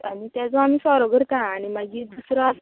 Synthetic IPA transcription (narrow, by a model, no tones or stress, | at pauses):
amitɛzɔamisɔɾɔɡəɾtaanimad͡ʒidusɾɔas